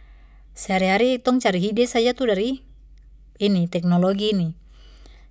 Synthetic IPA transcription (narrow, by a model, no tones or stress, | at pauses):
sɛaɾiɦaɾit̪ɔŋt͡ʃaɾiɦidɛsad͡ʒat̪udaɾi | init̪ɛk̚nɔlɔɡiːni